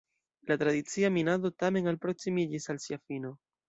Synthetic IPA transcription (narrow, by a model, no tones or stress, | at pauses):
latɾad̪it͡siaminado̞tame̞nalpɾo̞ksimid͡ʒisalsiafino̞